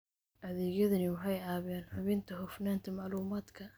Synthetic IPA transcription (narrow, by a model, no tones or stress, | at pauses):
ʔɐðɛːɣjɐðɐnɪwɑħɑjaːβɪjaːnħʊβɪnt̪ʰɐhʊfnaːnt̪ʰɐmɑʕluːmaːd̪kʰɐ